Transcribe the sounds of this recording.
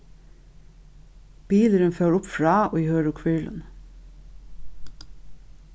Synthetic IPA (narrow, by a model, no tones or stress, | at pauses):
b̥iːləɾənføːɹʊpfɹɑːo̰ːhøːɹʊkʰʋɪɹɭə̰n